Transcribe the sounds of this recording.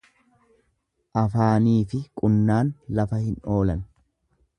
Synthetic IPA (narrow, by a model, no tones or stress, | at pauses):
ʔɐfaːniːfɪkʼʊnːaːnlɐfɐhɪnʔo̞ːlɐn